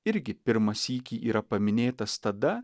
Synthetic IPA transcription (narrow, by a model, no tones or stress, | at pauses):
ɪɾʲɡʲɪpʲɪɾmɐsiːkʲiːʔiːɾɐpɐmʲɪnʲeːt̪ɐst̪ɐd̪ɐ